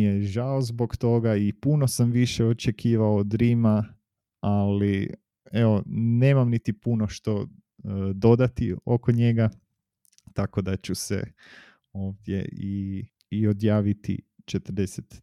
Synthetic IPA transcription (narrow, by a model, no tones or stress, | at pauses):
ijeʒaozbo̞kt̪o̞ɡaipunosamʋiʃeot͡ʃekʰiːʋaod̪ɾiːma | ali | eone̞ːmamnit̪ipunoʃt̪o̞ | d̪o̞d̪at̪ḭokoɲe̞ɡa | t̪ako̞d̪at͡ʃusḛ | oːʋd̪jḛiː | o̞d̪jaːʋit̪ḭt͡ʃet̪rd̪eset̪